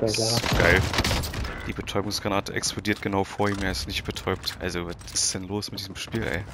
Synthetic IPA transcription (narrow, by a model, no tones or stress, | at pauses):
ɡ̥aɪl | d̥iːbətʰɔʏbʊŋsɡ̥ʁanaːtəʔɛ̰kspʰlodiːɐt̚ɡ̥ənaʊfoːɐiːmɛːɐɪstnɪçt̚b̥ətʰɔʏp̚tʔa̰lzovatɪsd̥ɛnloːsmɪtd̥iːzəm̩ʃpiːlʔɛ̰ɪ